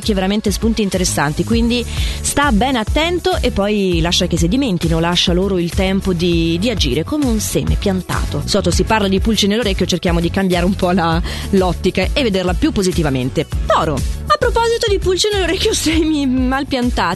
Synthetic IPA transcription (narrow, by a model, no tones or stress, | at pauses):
kːeveɾament̪espunt̪iːnt̪eɾesːant̪ikwind̪ist̪abɛnat̪ːɛnt̪oʔepːɔjlaʃːakes̬id̪iment̪inolaʃːaloːɾoilt̪ɛmpod̪id̪iad͡ʒḭːɾekomeunsḛːmḛpjant̪a̰ːt̪osɔːt̪osiparlad̪ipult͡ʃinelːoɾekʲːjot͡ʃerkjaːmod̪ikambjaːɾeumpɔla | lɔt̪ːikaʔevːed̪erlapjupːozit̪ivament̪epɔːɾoapːɾopɔzit̪od̪ipult͡ʃinelːoɾekʲːjosɛmimalpjant̪aː